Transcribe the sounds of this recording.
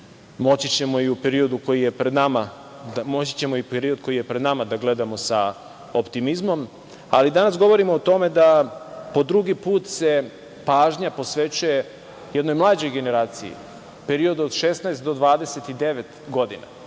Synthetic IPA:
mo̞t͡ɕit͡ɕe̞mo̞iupeɾio̞d̪uko̞jije̞pɾed̪nama | mot͡ɕi̥t͡ɕemoipeɾio̞d̪̚kojijepɾed̪namad̪aɡle̞d̪amo̞sa | opt̪imizmo̞m | alid̪anasɡo̞ʋo̞ɾimoːt̪o̞me̞d̪apo̞d̪ɾuɡipuːt̪se̞ | paːʒɲapo̞sʋe̞t͡ɕuje̞ | jed̪nojmlˠaːd͡ʑo̞jɡe̞ne̞ɾaːt̪siḭ | pe̞ɾio̞d̪uod̪ʃesnaest̪d̪o̞d̪ʋaːd̪e̞set̪id̪e̞ʋe̞t̪ɡo̞d̪ina̰

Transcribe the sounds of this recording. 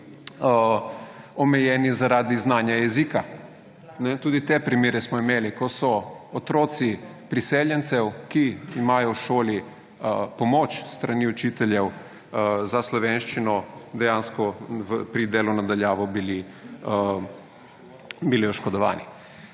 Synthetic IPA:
omɛjɛːnizaɾad̪iznaːnjajɛziːka | nɛt̪uːd̪it̪eːpɾimeːɾɛsmɔimeːlikɔsɔːt̪ɾoːt̪si | pɾiseːljɛnt̪sɛwkiimaːjɔwʃoːli | pomɔːt͡ʃst̪ɾaniut͡ʃiːt̪ɛljɛw | zaslɔʋeːnʃt͡ʃinɔd̪ɛjaːnskɔʋpɾid̪eːlunad̪aljaːʋɔbili | bilioʃkɔd̪ɔʋa̰ːni

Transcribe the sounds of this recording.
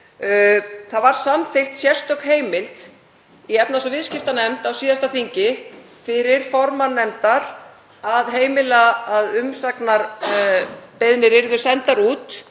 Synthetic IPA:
θaðvaɾ̥samθɪxt̪sjɛr̥st̪œkɦeːjmɪlt̪ | iɛpnasɔvɪðscɪft̪anɛmt̪awsiːðast̪aθiɲcɪ | fɪɾɪɾ̥fɔɾmanɛmt̪aɾ̥ | aðɦeːjmɪlaaðʏmsaknaɾ | peðnɪɾɪɾðʏ̥sɛnt̪aɾuːt̪

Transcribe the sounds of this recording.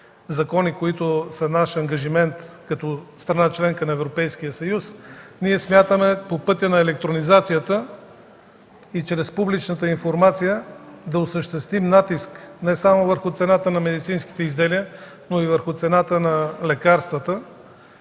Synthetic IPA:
zɐkɔnikoit̪ʊsənaʃɐŋɡɐʒimɛnt̪kɐt̪ɔst̪ɾɐnat͡ʃlɛŋkənɐɛvɾopɛjskijəsɐjusniɛsmʲjat̪əmɛpopɤt̪ʲənɐɛlɛk̚t̪ɾonizat̪sijət̪ə | it͡ʃɾɛspublit͡ʃnət̪əinfoɾmat̪sijəd̪ɐosəʃt̪ɛst̪vimnat̪isknɛsamovəɾxʊt̪sɛnat̪ənɐmɛd̪it̪sinski̥t̪ɛizd̪ɛliə | noivəɾxʊt̪sɛnat̪ənɐlɛkaɾst̪vət̪ə

